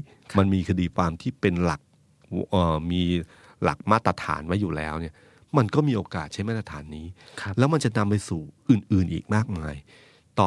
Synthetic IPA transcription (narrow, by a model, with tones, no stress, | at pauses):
ma˧nmiː˧kʰa˧diː˧kʰwaː˧mt̪ʰiː˥˩pe˧nla˨˩k̚ | ʔəː˨˩miː˧ | la̰˨˩k̚maː˥˩t̪ːɾa˧t̪ʰa̰ː˩˦nwa˦˥jːuː˨˩lɛ̰ː˦˥wni˥˩ɐ | ma˧nkɔː˥˩miː˧ʔoː˧kaː˨˩t̪̚t͡ɕʰa˦˥jmaː˥˩t̪ɾa˧t̪ʰaː˩˦nːiː˦˥lɛː˦˥wma˧nt͡ɕa˨˩ʔna˧mpa˧jsuː˨˩ʔɯː˨˩nʔɯː˨˩nʔḭː˨˩k̚maː˥˩k̚maː˧j | t̪ɔː˨